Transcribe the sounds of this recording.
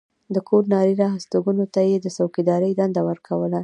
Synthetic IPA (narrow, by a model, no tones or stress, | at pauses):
d̪əkʰoɾnɑɾiɾɑɦast̪oɡunot̪ajed̪əsawkid̪ɑɾəjd̪and̪awəɾkʰawəla